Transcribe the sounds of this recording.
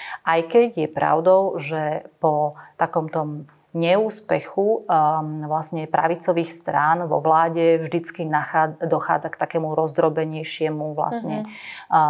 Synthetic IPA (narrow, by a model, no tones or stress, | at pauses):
ʔajkɛɟjɛpɾa̰ʊd̪ɔʊʒɛpɔt̪akɔmt̪ɔm | ɲɛuːspɛxu | ʋlasɲɛpɾa̰ʋit͡sɔʋiːxst̪ɾaːnʋɔ̰ʋlaːɟɛvʒd̪it͡skinaxad̪ɔxa̰ːd͡zakt̪akɛːmuɾɔzd̪ɾɔbɛɲɛjʃɪɛmuʋla̰sɲɛ